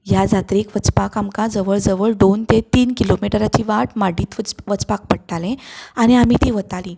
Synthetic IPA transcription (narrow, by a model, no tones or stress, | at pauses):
jad͡zat̪ɾekʋət͡spakamkãd͡zəʋəɭd͡zəʋəɭd̪ont̪et̪iːnkilomiʈɾat͡ɕiːʋaʈmaɽiːt̪ʋət͡spak̚pəɽʈalẽaɽ̃iam̤it̪iːʋət̪aliː